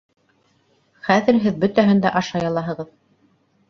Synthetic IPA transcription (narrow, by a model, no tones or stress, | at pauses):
χæðɘ̆ɾɦɘðbɵ̆t̪æɦɘnd̪æʔɑʃɑjɑlˠɑɦɤ̆ʁɤð